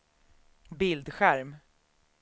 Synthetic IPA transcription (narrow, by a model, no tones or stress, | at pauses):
bɪld̪ɧæɾm